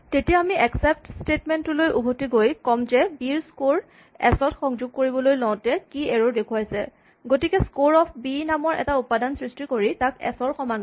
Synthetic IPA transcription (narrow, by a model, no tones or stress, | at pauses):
tetijaamiʔɛksɛp̚tstetmɛntʊlojʔubʱotiɡojkɔmzɛbiɹskoɹ | ɛ̰sɔtxɔŋzʊɡ̚koɹibɔlojlɔw̃tɛkiɛɹodekʰʊajsɛ | ɡotikɛskoɹɔpʰbinamɔɹʔɛ̰taupadansɹistikoɹitakɛ̰sɔɹxɔman